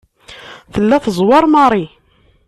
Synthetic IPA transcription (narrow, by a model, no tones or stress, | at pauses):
θəlːæθəzˤwɑɾˤmɑɾˤi